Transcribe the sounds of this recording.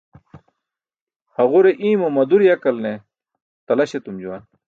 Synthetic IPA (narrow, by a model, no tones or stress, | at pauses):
hɐʁuɾeʔĩːmɐmɐd̪uɾijɐkɐlne | t̪ɐlɐɕet̪umd͡ʑuwɐn